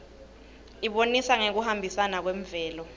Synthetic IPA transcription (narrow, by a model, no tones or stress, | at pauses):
iɓonisaŋek̬uhambʱisanak̬wɛɱvɛːlɔ